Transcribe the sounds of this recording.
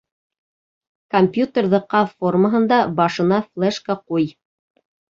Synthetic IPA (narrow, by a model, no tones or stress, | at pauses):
komʲpʲjut̪erðɤqɑfforməɦɤ̆nd̪ɑbɑʃɤ̆nɑflˠeʃkaquj